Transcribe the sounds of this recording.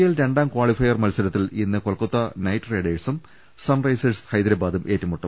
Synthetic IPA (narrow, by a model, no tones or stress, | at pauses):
jɐlɾe̞ɳɖaːmkwaːɭifɐjɐrmɐlsɐlɐt̪ːilinːɨkoɭkːut̪ːɐnɐjʈːreːɖeːʈsum | sɐnrɐjsɐshɐjd̪ɾɐbaːd̪ɐmʔe̞ːtːumːuʈːɐm